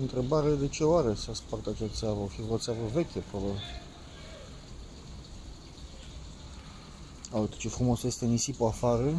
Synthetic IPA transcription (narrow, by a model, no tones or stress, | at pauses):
ɨnt̪ɾebaɾed̪et͡ʃewaɾesaspart̪at͡ʃat̪savafiurot̪sʲjavəvekʲepɾoba | awt̪i̥t͡ʃefɾumosest̪enisipoafaɾə